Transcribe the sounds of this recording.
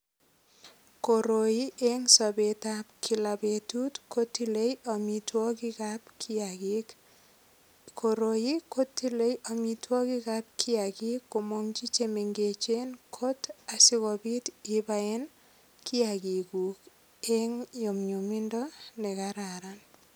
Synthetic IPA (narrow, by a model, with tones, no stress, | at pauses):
koɾoi˦ʔe˦ŋsɔbe˨ta˦pkʰi˨labetu˦tkʰo˦tːi˦le˦ja˨mitwɔ˦ki˦kapkak | kʰoɾoji˦ko˦tːi˦le˦jɔ˨mi˨twɔ˦ki˦kap̚kʰi˦aki˦kːo˨moŋt͡ʃi˦t͡ʃeme˨ŋɡe˨t͡ʃe˦nkʰo˦tasi˦kɔbi˦tibae˦n | kʰi˦a˨ki˨ku˨k | eŋjo˨mɲu˨mi˦ndɔ˦nɛ˨kaɾaɾan